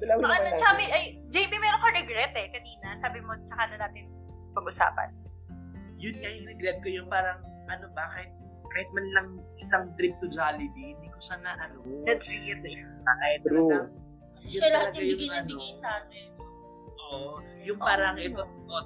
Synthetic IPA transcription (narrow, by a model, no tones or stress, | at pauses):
ɐlɐaɐnɐt͡ʃɐkamɐʔɐj | d͡ʒejpimɐjʔɐkoɾɛɡɾɛt̪ɛkɐniːnɐsaːbɪmot͡ʃɐkanɐnaːt̪ɪn | pɐɡʔʊsa̰ːpɐ̰n | jʊnŋajɪŋɾɛɡɾɛd̪̚kojʊŋpaːɾɐŋ | ʔɐnobakaɪhɪt̪̚ | kaːhɪt̪̚mɐnlɐŋʔɪsɐŋt̪ɾɪp̚t̪ʊd͡ʒalɪd̪iɪnd̪ikosaːnɐʔɐnoɛt̪iɪt̪ːɐ | aʔɐɪt̪̚ː | ɐsɛlɐɐɐjɡijɐnbɪɡɐjsɐaːt̪ɛn | ʔoʔ | jʊŋpaːɾɐŋʔɛt̪o | o